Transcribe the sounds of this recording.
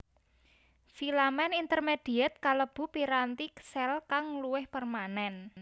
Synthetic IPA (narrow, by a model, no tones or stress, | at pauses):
filamɛnint̪ərmed̪̥i̤ɛt̪̚kaləb̥ṳpiɾant̪iksɛlkaŋluwɪhpərmanɛn